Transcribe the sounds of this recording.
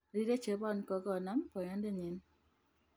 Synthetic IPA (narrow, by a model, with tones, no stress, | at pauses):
ɾi˦de˦t͡ʃe˨˦bɔ˦˨n˨kɔ˨ɡɔ˦˨na˨˦mpɔ˨ɲa˦n˦dɛ˦˨ɲi˨˦n